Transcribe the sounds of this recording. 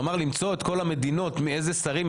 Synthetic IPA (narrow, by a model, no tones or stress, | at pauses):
maʁlimt͡so̞e̞t̪ko̞lame̞d̪ino̞t̪miezesaʁim